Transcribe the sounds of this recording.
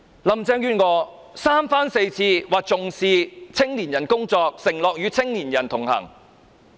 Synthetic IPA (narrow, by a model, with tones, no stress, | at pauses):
lɐ˨˩mt͡sɛː˧ŋɥyː˧nŋɔː˧ | saː˥mfaː˥nse˧jt͡sʰiː˧waː˨˩k̚t͡sʊ˨ŋsiː˧t͡sʰɪ˥ŋliː˨˩njɐ˨˩nkʊ˥ŋt͡sɔː˧k̚sɪ˨˩ŋlɔː˨k̚jyː˨˧t͡sʰɪ˥ŋliː˨˩njɐ˨˩nt̪ʰʊ˨˩ŋhɐ̰˨˩ŋ